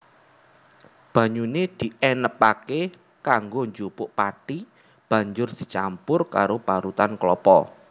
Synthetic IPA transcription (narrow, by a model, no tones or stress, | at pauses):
b̥ä̤ɲuned̪̥i̤ʔɛnəpake | kaŋɡoɲd͡ʒupʊʔpaʈi | b̥ä̤ɲd͡ʒʊrd̪̥i̥̤t͡ʃampʊrkaɾopaɾut̪anklɔpɔ̰